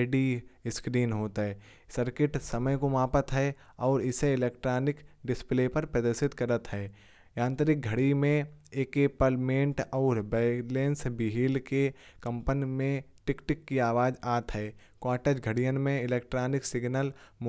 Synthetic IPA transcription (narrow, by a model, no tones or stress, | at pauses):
ɖiɪskɾiːnɦoːt̪aɦɛː | səɾkɪʈsɐməjkomaːpət̪ɦɛ | ɔːɾɪseɪleːkʈɾaːnɪkɖɪspleːpɐɾpɾəd̪ɪsɪt̪kɐɾət̪ɦɛː | jãːnt̪əɾɪk̚ɡʱɐɽimẽeːkeːpəlmẽːɳʈɔːɾbɛːlẽːnsbɪɦiːlkekɐ̃mpənimẽʈɪkʈɪkːiaːʋaːd͡ʒaːt̪ɦɛː | kwaːʈeːd͡ʒɡʱəɽijənmẽɪleːk̚ʈɾaːnɪksɪɡnəlm